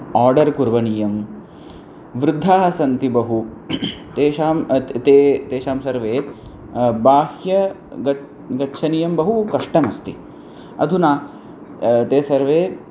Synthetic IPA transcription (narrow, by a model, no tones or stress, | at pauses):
aːɾɖɐɾkuɾʋɐniːjɐm | ʋɾɪd̪ʱːaːɦɐsɐnt̪ibɐɦu | t̪eːʃaːmt̪eːt̪eːʃaːmsɐɾʋeː | baːhjɐ | ɐ | ɡɐtːʃʰɐniːjɐmbɐɦukɐʂʈɐnɐst̪i | ɐ̰d̪ʱunaː | t̪eːsɐɾʋeː